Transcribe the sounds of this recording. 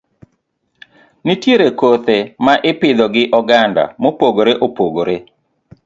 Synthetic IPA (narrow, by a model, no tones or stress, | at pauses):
nɪtjeɾekot̪emaʔɪpɪd̪ɔɡɪʔɔɡanda̰mopoɡoɾeʔopoɡoɾe